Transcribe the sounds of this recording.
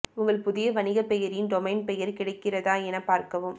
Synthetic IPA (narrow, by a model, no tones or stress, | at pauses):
ʊŋɡɐɭpʊðɪjɐʋɐnɪɣɐpɛjɐɾɪnɖɔmɐɪnpɛjɐɾkɪɽɐɪkːɪrɐðaːɛnɐpaːɾkɐʋɯm